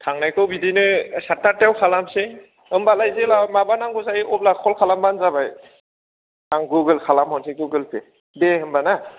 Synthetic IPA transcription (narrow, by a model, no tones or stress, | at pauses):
tʰaŋnajkɯwbidinɯsataɾtewkʰalamse | ɯmbalajzelamabanaŋɡuzajʔɔp̚lakʰɔlkʰalambanzaβaj | aŋɡuɡɯlkʰalamhɔnseɡuɡɯlpe | beɯmbana